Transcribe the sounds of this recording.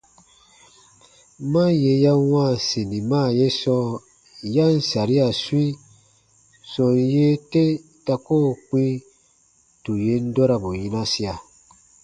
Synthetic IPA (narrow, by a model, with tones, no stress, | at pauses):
mã˦je˧ja˦wã˦˨se˨nĩ˨maː˦˨je˦sɔ˦ | ja˦n̩˨sa˨ɾi˦a˨su˦i˦ | sɔ̃˨nje˦te˦ | ta˧ko˦˨k͡pĩ˦ | tu˨je˦n̩˦dɔ˦ɾa˨bo˨jĩ˦nã˦si˦a˨